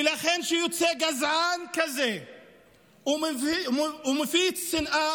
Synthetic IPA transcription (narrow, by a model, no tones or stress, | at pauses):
laχenʃejot͡seɡazankaze | um | umefit͡ssinʔa